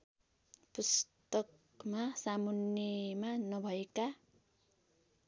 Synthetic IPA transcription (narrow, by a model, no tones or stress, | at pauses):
pust̪ʌk | masamunjemanʌbʱʌeka